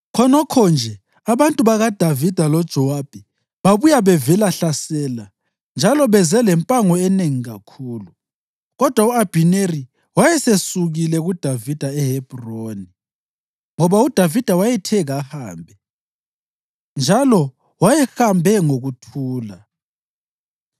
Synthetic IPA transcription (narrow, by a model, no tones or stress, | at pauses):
kʰɔnɔkʰɔnd͡ʒʱɛ | aβantʼuβaɣad̥ʱavid̥ʱalɔd̥ʒ̥ʱɔwab̥ʱɛ | βaβujaβɛvɛlaɬasɛːla | nd͡ʒʱalɔβɛzɛlɛmpʼaŋɔɛneŋiɣakʰuːlu | ɣɔd̥ʱwauab̥ʱineri | wajɛsesuɣilɛɣud̥ʱavid̥ʱaɛhɛb̥ʱroːni | ŋɔβaud̥ʱavid̥ʱawajɛtʰɛɣahaːmbʱɛ | nd͡ʒʱalɔ | wajɛxambʱɛŋoɣutʰuːla